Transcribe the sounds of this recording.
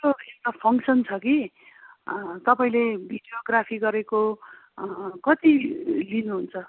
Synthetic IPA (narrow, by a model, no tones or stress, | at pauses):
ɾoewʈapʰʌŋksʌnt͡sʰʌki | t̪ʌpaĩlebʱiɖijoɡrapʰiɡʌɾeko | kʌt̪ilinuɦunt͡sʰʌ